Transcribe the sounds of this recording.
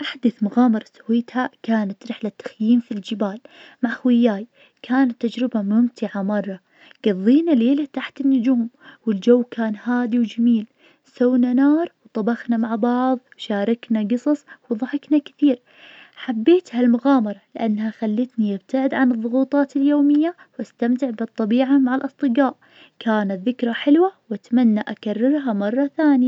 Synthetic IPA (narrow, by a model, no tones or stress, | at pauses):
ʔaħd̪aθmʊɣaːmɑɾˤɑsawiːt̪hakaːnat̪ɾɪħlat̪ːḁxjiːmfild͡ʒɪbaːlmaʕxwɪjːaːj | kaːnat̪ːad͡ʒɾɪbamʊmt̪ʰɪʕamɑrˤːɑ | ɡ̥ɑðˤːiːnaleːlat̪aħt̪ɪnːʊd͡ʒuːmwɪld͡ʒawːkaːnhaːd̪iwd͡ʒamiːl | sawnanaːɾˤwt̪ˤɑbɑxnamaʕbɑʕðˤwʃaːɾˤɑknaɡɨsˤɑsˤwðˤɑħɪknakɪθiːɾ | ħabːeːt̪halmʊɣaːmɑɾˤɑlɪʔanːhaxalːɪt̪niʔab̚t̪ʰaʕɪd̪ʕanɨðˤːʊɣuːt̪ˤɑːt̪ɪljoːmɪjːa | wʔast̪amt̪ɪʕbɨt̪ˤːɑbiːʕamaʕalʔɑsˤt̪ˤɨɡaːʔ | kaːnat̪ðɪkɾˤɑħɪlwawʔat̪manːaʔakarˤːɪɾˤɦamɑrˤːɑθaːnɪja